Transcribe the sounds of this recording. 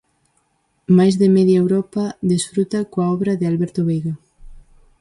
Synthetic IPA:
majzðemɛðjaewɾɔpaðesfɾut̪akoaɔβɾaðɪalβɛɾt̪oβejɣa

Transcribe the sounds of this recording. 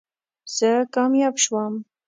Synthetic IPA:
z̥əkɑmjɑbʃwɑm

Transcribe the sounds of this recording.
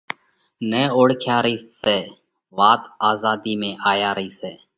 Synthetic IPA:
nẽːoːɽkʰjaːɾəiːseː | ʋaːt̪aːzaːd̪iːmẽːʔaːjaːɾəiːseː

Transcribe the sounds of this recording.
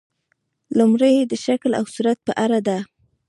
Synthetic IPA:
lumɾəjd̪əʃakla̰wsuɾat̪̚pəʔaɾad̪a

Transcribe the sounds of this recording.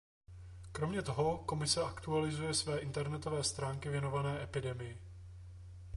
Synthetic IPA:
kɾo̞mɲɛt̪o̞ɦo̞ko̞mɪsɛʔakt̪ualɪzujɛsvɛːʔɪnt̪ɛɾnɛt̪o̞vɛːst̪ɾaːŋkɪvjɛno̞vanɛːʔɛpɪdɛmɪjɪ

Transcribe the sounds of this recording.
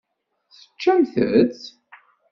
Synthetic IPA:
θə̥t͡ʃːæmθə̰t͡s

